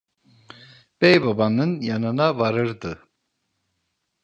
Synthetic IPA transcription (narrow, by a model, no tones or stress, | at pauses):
b̥ɛjbabanɯnjanɯnavaɾɯɾd̪ɯ